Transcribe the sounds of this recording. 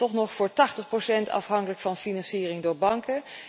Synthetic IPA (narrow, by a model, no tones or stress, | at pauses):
ɔχnɔχfʊːɹtɑχtəχprosɛntɑ̰fɦɑŋkələkfɑnfinɑnsiːrɪŋdʊːɹbɑŋkə